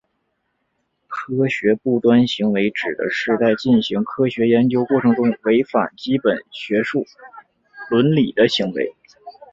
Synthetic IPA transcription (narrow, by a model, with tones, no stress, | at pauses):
kʰɤ˥ɕɥɛ˧˥pu˥˩t̪wa˥nɕi˧˥ŋwe˧˥ɪʈ͡ʂɻ̩˨˩d̪ə̰˦ʂɻ̩˥˧t͡sa˥˧ɪt͡ɕi˥˩nɕi˧˥ŋkʰɤ˥ɕɥɛ˧˥jɛ˧˥nt͡ɕjo˥ʊkwɔ˥˩ʈ͡ʂʰɤ˧˥ŋʈ͡ʂʊ˥ŋwe˧˥ɪfa̰˨˩nt͡ɕi˥pə˨˩nɕɥɛ˧˥ʂu˥˩ | lwə˧˥nli˨˩d̪ə˦ɕi˧˥ŋwḛ˧˥ɪ